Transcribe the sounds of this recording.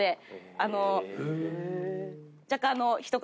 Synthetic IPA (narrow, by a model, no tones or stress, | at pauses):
eano | d͡ʑakãnoçi̥t̪ok